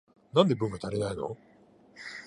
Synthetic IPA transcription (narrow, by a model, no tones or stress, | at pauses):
nãnd̪e̞bɯ̟̃ŋɡat̪aɾenaino̞̰